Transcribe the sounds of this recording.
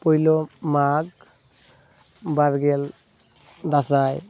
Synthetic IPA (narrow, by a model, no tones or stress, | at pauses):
pɔjlɔmaɡ | baɾɡɛl | d̪asaj